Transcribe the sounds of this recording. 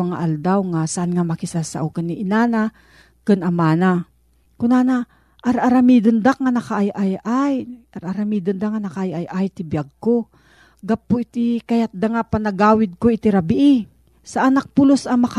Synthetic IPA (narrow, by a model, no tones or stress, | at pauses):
aŋa̰ʔald̪awŋasaʔanŋamɐkɪsasa̰ʔokanːiʔɪnaːna | kɨnʔɐmaːna | kʊnaːna | ʔaɾʔaɾamid̪ʊnd̪ak̚ŋanɐkaʔajʔajʔajʔaɾʔaɾamiːd̪ond̪aŋanɐkaʔajajʔajt̪ɪbjaɡ̚ko | ɡapːoɪt̪ɪkajat̪̚d̪aŋapanɐɡaːwɪd̪̚koɪt̪ɪɾabɪʔɪ | saʔanak̚pʊlosɐmɐka